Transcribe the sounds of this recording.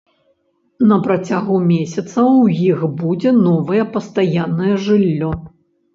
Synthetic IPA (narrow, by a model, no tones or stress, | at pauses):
nɐpɾɐt͡sʲaɣumʲesʲɐt̪sɐwjixbud͡zʲɛnɔvɐjɛpɐst̪ajanːɐjɛʐɨlʲːɔ